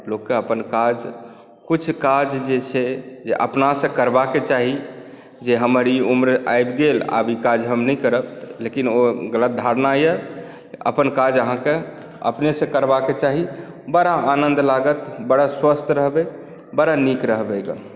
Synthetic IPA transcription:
lokːeəpənkad͡ʒ | kut͡ʃʰkad͡ʒd͡ʒet͡ʃʰɛd͡ʒḛʔəpnasə̃kəɾbaket͡ʃaɦi | d͡ʒeɦəməɾiumɾa̰jbɡela̰bikad͡ʒɦəmnɛjkəɾəplekinoɡələt̪̚d̪ʱaɾnajə | ə̰pənkad͡ʒəɦãke | ə̰pnesə̃kəɾbaket͡ʃaɦi | bəɽaanə̃nd̪laɡət̪bəɽaswəst̪ʰɾəɦbɛ | bəɽanikɾəɦbɛɡa̰

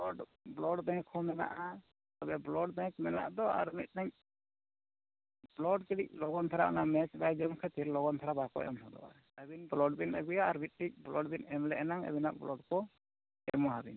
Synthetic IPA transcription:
ɔɖblɔɖbɛ̃ŋkʰhɔmɛna̰ʔa | t̪ɔbɛblɔɖbɛ̃kmɛna̰ʔd̪ɔa̰ɾmit̪̚ˀnaɲ | b̥lɔɖ̚kɛɽic̚lɔɡɔnt̪ʰaɾaʔɔ̰namɛt͡ʃbajd͡ʒɔmkʰɛt̪iɾlɔɡɔnt̪ʰaɾabakɔ̰ʔɛ̰mhɔd̪ɔ̰ʔa̰ | əbinblɔɖbinaɡujaːɾmit̪̚ˀʈic̚blɔɖbinɛmlɛʔɛnaŋa̰bina̰ʔblɔɖkɔ | ɛmɔɦabin

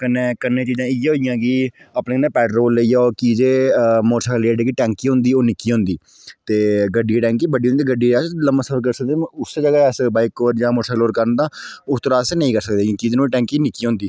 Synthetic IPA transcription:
kənːẽːkənːẽːt͡ʃiːzãːɪjaɦoːɪjãːkiːapneːnɛ̃ːpɛːʈɾoːlːəijãːoːkiːd͡ʒeːmoːɾʃʰaːleːɖkiːʈɛ̃ːŋkiːɦʊ̃ːnd̪iːoːnɪkːiːɦõːnd̪iː | t̪eːɡəɖiːʈɛ̃ːŋkiːbəɖiːɦoneiːɡəɖiːɛːsləmãːsəfəɾkəɾsək̚d̪eːʊsd͡ʒəɡaːɛsbaːɪkoːɾd͡ʒãːmoːɾʈʰaːkloːɾkəɾənd̪ãː | ʊst̪əɾaːsenəĩːkəɾsəkd̪ẽːkiːd͡ʒenõːiʈɛ̃ːŋkiːnɪkːiːɦõːnd̪iː

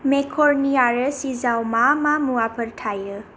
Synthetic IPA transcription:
mekʰoɾnijaɾəsizawmamamuwapʰəɾʈʰajə

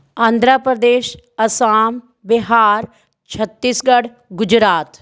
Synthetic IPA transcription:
ãːnd̪ʱɾapɾəd̪eːʃ | əsaːm | bɪɦaːɾ | t͡ʃʰət̪ːiːsɡəɽ | ɡʊd͡ʒɾaːt̪

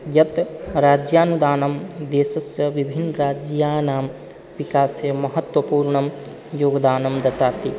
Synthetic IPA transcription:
jɐt̪ɾaːd͡ʒjaːnud̪aːnɐmd̪eːsɐsjɐʋibʱinːɾaːd͡ʒjaːnaːm | ʋikaːsjemɐɦɐt̪wɐpuːɾɳɐm | joːɡd̪aːnɐmd̪ɐt̪aːt̪i

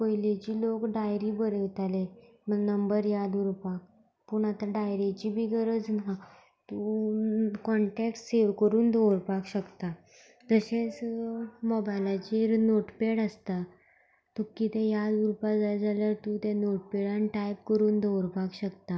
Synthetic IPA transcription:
pəjlet͡ɕiːlokɖajɾibəɾeʋt̪ale | mənəmbəɾjad̪uɾpak̚ | puɳat̪aɖajɾet͡ɕibʱiːɡəɾəd͡zna | t̪u | kɔɳʈeksseʋkəɾuːnd̪ʱowɾpakɕəkt̪a | t̪əɕẽt͡smɔbajlat͡ɕiɾnoʈpeɽaəst̪a | t̪ukːit̪ejad̪uɾpad͡zad͡zaljaɾt̪ũt̪janoʈpeɽanʈajp̚kəɾuːnd̪ʱowɾpakɕəkt̪a

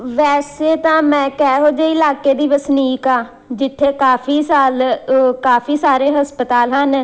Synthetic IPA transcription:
ʋɛːseːt̪ãːmɛ̃ːkɛːɦoːd͡ʒeːɪlaːkeːd̪iːʋəsniːkaː | d͡ʒɪt̪ʰːeːkaːfʰiːsaːlkaːfʰiːsaːɾeːɦəspət̪aːlɦən

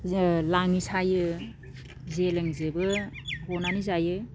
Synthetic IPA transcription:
laŋisʰajɯ | zeleŋzebɯhɔnanizajɯ

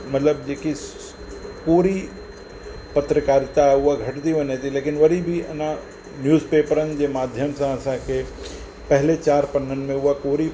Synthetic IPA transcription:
mɐt̪ləb̚d͡ʒeːki | koːɾi | pɐt̪ɾəkaːɾt̪aʊaɡʱɐʈd̪iʋɐnet̪ileːkɪnʋɐɾibʱiɐnã | njuːzpeːpəɾənd͡ʒemaːd̪ʱjəmsãɐsãkʰe | pɛɦlet͡ʃaːɾpɐnːənmẽʊakoːɾi

